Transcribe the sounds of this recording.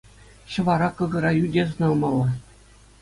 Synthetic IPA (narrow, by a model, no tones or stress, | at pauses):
ɕɤ̆ʋɑɾɑkɤ̆ɣɤ̆ɾɑjydʲezɤnɑlˠmɑlˠːɑ